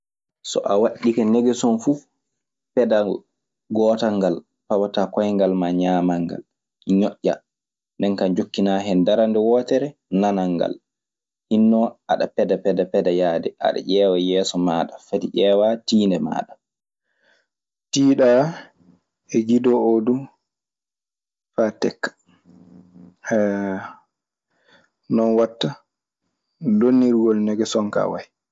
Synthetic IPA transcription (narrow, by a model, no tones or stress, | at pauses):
sɔ̰ʔawaɗikɛnɛɡɛsɔnfu | pɛda | ɡɔːtaŋɡal | pawatakɔjŋɡalmaɲaːmaŋɡa̰l | ɲɔʔːa | ndɛnkand͡ʒokːinaːɦɛndaɾandɛwɔːtɛɾɛnanaŋɡa̰l | hinːɔʔa̰ɗapɛdapɛdapɛdajaːdɛʔa̰ɗa̰ʔɛːwajɛːsɔmaːɗafatiʔɛːwatiːndɛma̰ːɗa | tiːɗa | ɛɡidɔodu | fatɛkːḁ | nɔnwatːa | donːiɾɡɔlnɛɡɛsɔŋka̰waj